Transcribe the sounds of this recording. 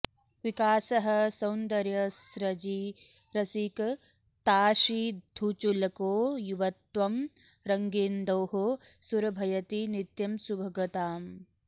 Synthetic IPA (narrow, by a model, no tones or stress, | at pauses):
ʋikaːsɐɦɐ̆sɐwnd̪ɐɾjɐsɾɐd͡ʒi | ɾɐsik | t̪aːʃid̪ʱut͡ʃulɐkoːjuʋɐt̪ʋɐm | ɾɐŋɡeːnd̪ɐːɦosuɾɐbʱɐjɐt̪init̪jɐmsubʱɐɡɐt̪aːm